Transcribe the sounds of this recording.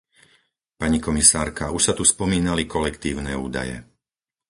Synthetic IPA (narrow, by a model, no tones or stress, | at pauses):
paɲikɔmisaːɾkauʃsat̪uspɔmiːnalikɔlɛkt̪iːʊnɛːṵːd̪a̰jɛ̰